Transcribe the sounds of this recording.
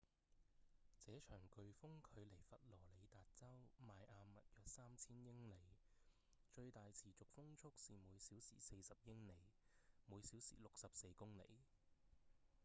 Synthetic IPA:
t͡sɛː˨˥t͡ʃʰœː˨˩ŋkɵ˨˧ɥfʊ˥ŋkʰɵ˨˧ɥle˨˩jfɐ˨t̚lɔː˨˩le˨˧jt̪aː˨t̚t͡sɐ˥wmaː˨jʔaː˨˧mːɐ˨t̚jœː˨k̚saː˥mt͡sʰiː˥njɪ˥ŋle˨˧j | t͡ʃɵ˧ɥt̪aː˨jt͡sʰiː˨˩t͡sʊ˨k̚fʊ˥ŋt͡ʃʰʊ˥k̚siː˨muː˨˧jsiː˨˥wsḭː˨˩se˧jsɐ˨p̚jɪ˥ŋle˨˧jmuː˨˧jsiː˨˥wsḭː˨˩lʊ˨k̚sɐ˨p̚se˧jkʊ˥ŋlḛ˨˩j

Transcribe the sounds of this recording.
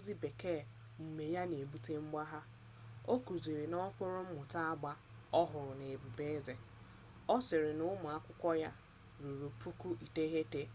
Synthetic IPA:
zi˦be˨ke˦˨ | m̩˨me˨ja˦ne˨bu˦te˦ŋ͡m̩˦ɡ͡ba˦ɦa˦ | o˦ku˨zi˨ɾɪ˨nɔ˦k͡pʊ˦ɾʊ˦m̩˦mʊ˨ta˦a˦ɡ͡ba˦ | ɔ˦ɦʊ˨ɾʊ˨ne˨bu˨be˦ze˨ | ɔ˦sɪ˨ɾɪ˨nʊ˦mʊ˨a˦kʷʊ˦kʷɔ˦ja˦ | ɾu˨ɾu˨pʰu˦ku˦ʔi˨te˦ɦe˦te˦

